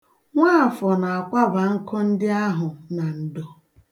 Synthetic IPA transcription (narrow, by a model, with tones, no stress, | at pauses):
ŋʷaː˦˨fɔ˨na˨a˨kʷa˦ba˨ŋ̩˦kʰɔ˦n̩˦dɪ˦a˦ɦʊ˨na˨n̩˨dɔ˨